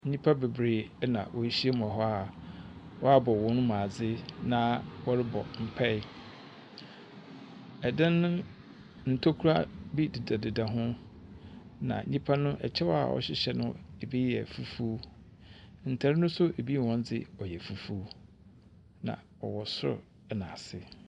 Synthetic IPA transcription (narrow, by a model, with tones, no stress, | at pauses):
n̩˦ɲĩ˦pʰa˦be˨bɾeː˨˦nã˨wʔɔ˨˦ɕi˦e˦m˨ã˨ɦɔ˦a˦˨ | wɔ˦a˦bɔ˨wɔ̃˦nʊ̃˦mã˨a˨d͡zɪ˦nã˨wɔ˦ɾɪ˦bɔ̰˨m̩˨pʰɛ˦ɪ˦ | ɛ˨dɪ̃˦nːʊ̃˦ | n̩˨tʰo˦kʰu˦ɾa˦bi˦dɪ˨da˨dɪ˨da˨ɦʊ̃˦ | nã̰˨n̩˦ɲĩ˦pʰa˦nʊ̃˦ʔɛ̰˨t͡ɕʰɛ˦wɔ˦a̰˨ʔɔ̰˨ɕɪ˨ɕɛ˦nʊ̃˦e˨bi˦jɛ˨fu˦fuː˦ | n̩˨tʰa˨ɾɪ˦nʊ̃˦sʊ˦ʔe˨bi˦˨wɔ̃˦n˦d͡zɪ˦ɔ˨jɛ˨fu˨fu˦ | nã̰˨ | ɔ̰˨wɔ˨sʊ˦ɾʊ̰˨ | ɛ˨nã˨sɪ˨